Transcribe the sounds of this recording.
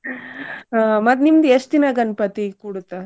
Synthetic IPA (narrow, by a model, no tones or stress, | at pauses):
amɐt̪nimd̪est̪inaɡɐnpɐt̪ikuɽut̪ːa